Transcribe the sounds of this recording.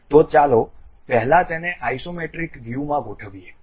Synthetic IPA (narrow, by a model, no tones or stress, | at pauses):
t̪ot͡ʃalopɛɦlãt̪eneʔaisomeʈɾikʋjumãɡʱoʈʰəʋije